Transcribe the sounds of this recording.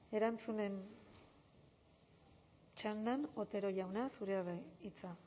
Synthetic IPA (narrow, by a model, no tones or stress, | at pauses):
e̞ɾant͡sune̞n | t͡ʃand̪ano̞t̪e̞ɾo̞ʝawnasuɾeaβait͡sa